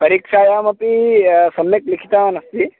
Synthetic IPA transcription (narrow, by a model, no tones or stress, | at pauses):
pɐɾiːkʂaːjaːmɐpisɐmjɐklikʰi̥t̪aːʋanɐst̪i